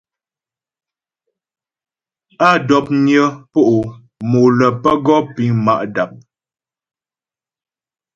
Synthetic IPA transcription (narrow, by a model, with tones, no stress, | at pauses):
a˦˨dɔ˨˦p̚ɲjə˦po˦ʔu˨ | mo˨lə˨pə˦ɡɔ˦pi˨˦ŋma̰˦ʔda˨p̚